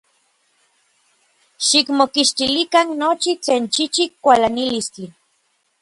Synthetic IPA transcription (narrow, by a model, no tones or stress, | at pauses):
ʃikmokiʃt̪ilikanːot͡ʃit͡ɬeːnt͡ʃit͡ʃikːʷalanilist͡ɬi